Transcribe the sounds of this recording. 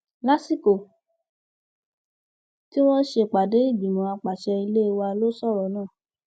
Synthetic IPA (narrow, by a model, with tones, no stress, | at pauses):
la˦si˦ko˨ | ti˦wɔ˦ʃe˧˨k͡pa˨de˨˦i˦˨bi˨mɔ̃˨˦a˧k͡pa˨ʃɛ˧i˧le˦˧wa˧lo˦sɔ˦˨ɾɔ˨˦nãː˦˨